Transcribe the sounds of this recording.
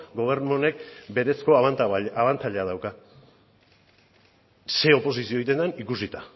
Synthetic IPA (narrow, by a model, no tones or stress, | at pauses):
ɡo̞β̞e̞ɾnone̞k̚be̞ɾe̞sko̞βant̪aβant͡s̪aʎeað̞awka | se̞o̞po̞s̬isio̞ijt̪e̞nd̪anikusit̪a